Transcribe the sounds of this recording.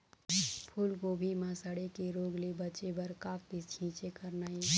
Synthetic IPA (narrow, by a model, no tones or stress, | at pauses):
pʰulɡobʱimãsəɽekeɾoɡlebət͡ʃebəɾkak̚bit͡ʃʰĩt͡ʃekəɾnai